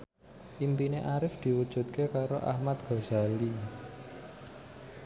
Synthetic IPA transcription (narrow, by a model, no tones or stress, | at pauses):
ʔimpineʔaɾɪfd̪̥i̤wud̥ʒ̥ṳt̪̚kekaɾoʔa̰hmat̪̚ɡ̥ɔ̤za̤li